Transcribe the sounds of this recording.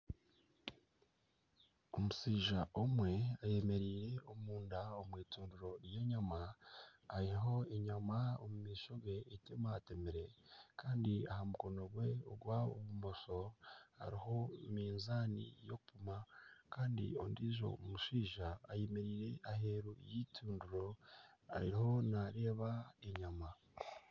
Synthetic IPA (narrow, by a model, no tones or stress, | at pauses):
o̞musiːʒaʔomwe̞aje̞me̞ɾiːɾe̞omuːndaomwiːtuːnduɾo̞ɾjeɲamaː | ɾiɦo̞eɲamaomumiːʃoɡe̞itemaːte̞meɾe̞kaːndiahamukono̞ɡwe̞o̰ɡwaoβumo̞so̞ha̰ɾiɦo̞miːnzaːnḭjo̞kupumakaːndḭo̞̰ndiʒo̞̰mumuʃiːʒaːjemeɾiːɾe̞ʔaɦe̞ɾujitʰuːnduɾo̞a̰ɾḭɾiho̞naɾe̞ːβaeɲama